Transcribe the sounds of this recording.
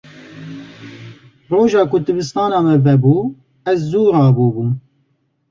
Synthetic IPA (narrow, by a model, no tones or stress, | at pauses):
roːʒɑːkʊd̪ɨbɨst̪ɑːnɑːmɛvɛbuː | ɛzːuːɾɑːbuːbum